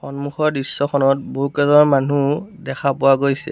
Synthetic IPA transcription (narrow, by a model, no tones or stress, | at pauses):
xɔnmuxɔɹdisːɔxʰɔnɔt̚buukɛzɔɹmanudɛxʰapʊwaɡojsɛ̰